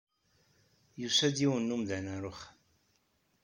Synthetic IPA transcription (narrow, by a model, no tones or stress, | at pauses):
jusæd̪iwənːumðænaɾʊχ